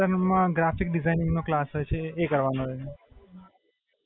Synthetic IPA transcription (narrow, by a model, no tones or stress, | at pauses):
əɾmãɡɾafik̚ɖɪzajnɪ̃ŋɡnoklasɦojt͡ʃʰeːkəɾʋanoɦoje